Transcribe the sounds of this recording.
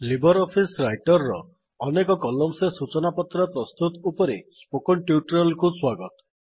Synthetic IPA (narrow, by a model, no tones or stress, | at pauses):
libɔɾɔpʰisɾajʈɔɾːɔː | nekɔkɔlɔmsesut͡ʃɔnapɔt̪ɾɔpɾɔst̪ut̪upɔɾispokɔɳʈjuʈɔɾɔlkuswaɡɔt̪ɔ̥